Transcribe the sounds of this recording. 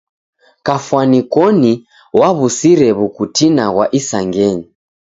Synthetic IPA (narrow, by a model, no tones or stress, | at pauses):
kafwanikɔni | waβusiɾɛβukutinaɣwaʔisaŋɡɛɲi